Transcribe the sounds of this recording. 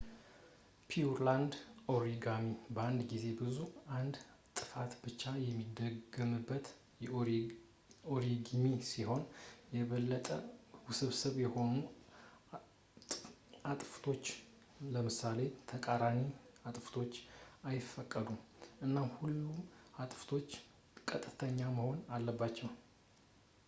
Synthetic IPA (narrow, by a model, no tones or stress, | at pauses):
pʰiuɾland̪ʔo̞ɾiɡamibəand̪ɡize̞bɨzuand̪ | t̪ʼɨfat̪bɨt͡ʃːajɛmːid̪əɡəmɨbːət̪ | oɾiɡimisiho̞njɛβəlːət̪ʼəwsɨβsəβjɛho̞nu | at̪ʼft̪ʰo̞t͡ʃː | ləmɨsale̞t̪ʰəkʼaɾaniat̪ʼft̪ʰo̞t͡ʃːajɪfːəkʼːəd̪umʔɨnːamhulːumat̪ʼft̪ʰo̞t͡ʃː | kʼət̪ʼɨt̪ʰəɲːaməho̞nalːəbːat͡ʃːɛw